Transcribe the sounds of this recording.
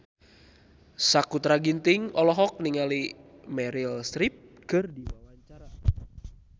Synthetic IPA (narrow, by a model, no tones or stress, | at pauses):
sakut̪ɾaɡint̪iŋɔlɔɦɔk̚niŋalimɛɾilst̪ɾip̚kɨrdiwawaɲt͡ʃaɾa